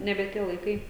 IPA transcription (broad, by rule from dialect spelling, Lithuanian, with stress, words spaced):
ˈnʲæːbʲɛ ˈtʲiɛ lˠɐɪˈkɐɪ